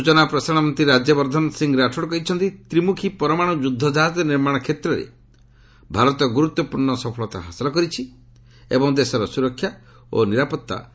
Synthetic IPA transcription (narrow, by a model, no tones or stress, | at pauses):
ut͡ʃɔnapɾɔsaɽ̃ɔmɔnt̪ɾiɾad͡ʒjɔbɔɾd̪ʱɔnɔsiŋɡɾaʈʰɔɽɔkɔɦit͡ʃʰɔnt̪it̪ɾimukʰipɔɾɔmaɽ̃ɔd͡ʒud̪ʱːɔd͡ʒaɦat̪ɔniɾmaɽ̃ɔkʰet̪ɾɔɾḛ | bʱaɾɔt̪ɔɡuɾut̪ːwɔpuɾɳɔsɔpʰɔɭɔt̪a̰ɦasilɔkɔɾit͡ʃʰi | ḛbɔŋd̪esɔɾɔsuɾɔkʰːja | o̰niɾapɔt̪ːa̰